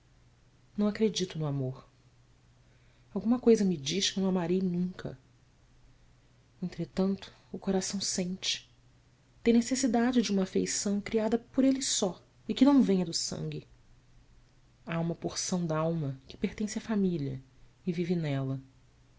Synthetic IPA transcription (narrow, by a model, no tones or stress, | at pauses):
nɐ̃w̃akɾed͡ʒit̪ʊnʊamoɾ | awɡũmɐkojzɐmɪd͡ʒiʃkɪñw̃amaɾejnũŋkʰɐ̰ | ẽnt̪ɾet̪ɐ̃nt̪ʊ̥ːkoɾasɐ̃w̃sẽnt͡ʃɪ̥ | t̪ẽj̃nesesid̪ad͡ʒɪd͡ʒɪũmɐːfejsɐ̃w̃kɾiad̪ɐpʊɾelɪsɔ | ɪkɪnɐ̃w̃vẽjɐd̪ʊsɐ̰̃ŋɡʲɪ | aũmɐpoɾsɐ̃w̃d̪aawmɐkɪ̥peɾt̪ẽsɪɐfamilɐ̰ | ɪvivɪnɛlɐ